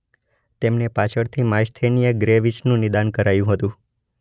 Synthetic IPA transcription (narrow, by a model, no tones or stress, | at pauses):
t̪emnepat͡ʃʰəɽt̪ʰimajst̪ʰenijəɡɾeʋit͡ʃnũnɪd̪ankəɾajũɦət̪ũ